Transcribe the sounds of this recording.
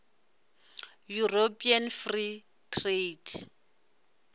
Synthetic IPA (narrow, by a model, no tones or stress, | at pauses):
juropʼianfri | tʰʼretʰ